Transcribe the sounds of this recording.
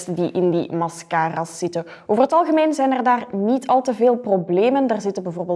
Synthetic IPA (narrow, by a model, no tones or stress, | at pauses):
stədiʔɪndḭmɑskaːrasːɪtə | oːvərɦətɑlˠɣəmeːnzɛjnɛrdaːrnitʰɑlˠtəveːlˠprobleːməndarzɪtənbɛvoːrbeːl